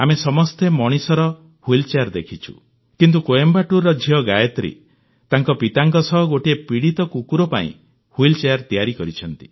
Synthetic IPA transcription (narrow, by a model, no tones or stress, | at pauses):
amesɔmɔst̪emɔɽ̃isɔɾɔ | huilt͡ʃeaɾd̪ekʰit͡ʃʰṵ | kint̪ukoembaʈuɾɔd͡ʒʱiɔɡajɔt̪ɾḛ | t̪aŋkɔpit̪aŋkɔsɔɦɔɡoʈiepiɽit̪ɔkukuɾɔpa̰ḭ̃ | huilt͡ʃeaɾt̪ijaɾikɔɾit͡ʃʰɔnt̪i̥